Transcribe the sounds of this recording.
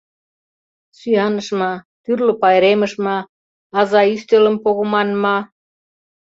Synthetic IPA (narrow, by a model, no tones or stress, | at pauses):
syjɑnəʃmɑt̪yrlŏpɑjɾemə̆ʃmɑ | ɑzɑyst̪elə̆mpoɣomɑnmɑ